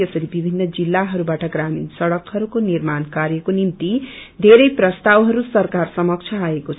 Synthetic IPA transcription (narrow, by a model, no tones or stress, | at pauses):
ʌsʌɾibibʱinːʌd͡zilːaɦʌɾubaʈʌɡraminsʌɽʌkhʌɾukonirmankaɾjʌkonimt̪id̪ʱeɾʌjprʌst̪awɦʌɾusʌrkarsʌmʌk̚t͡sʰʌaekot͡sʰ